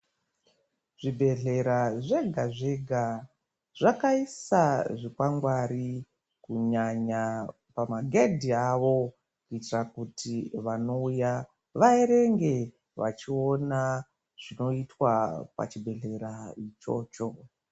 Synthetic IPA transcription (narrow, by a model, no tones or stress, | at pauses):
ʐ̥ibʱe̞ɮe̞ɾaʐe̞ɡʱaʐeɡʱa | ʐ̥akaisaʐikwaŋɡwaɾi | kuɲaɲa | pamaɡʱedʱiaʋo̞ | kuitirakutʰiʋano̞uja | ʋaeɾe̞ŋɡe̞ | ʋa̰t͡ʃio̞na | ʐ̥ino̞itwapa̰t͡ʃibʱe̞ɮe̞ɾait͡ʃo̞̰ːt͡ʃo̞